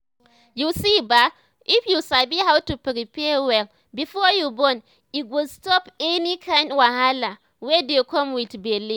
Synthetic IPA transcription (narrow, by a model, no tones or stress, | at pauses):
jusiba | ʔifjusabiɦawtupɾipewɛl | bifɔjubɔn | it̚wudstɔpɛnikʰãjndwahala | wedekʰɔmwitbelĩn